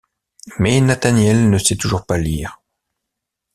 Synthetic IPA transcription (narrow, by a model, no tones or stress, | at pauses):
mɛnat̪anjɛlnəsɛt̪uʒuʁpaliːʁ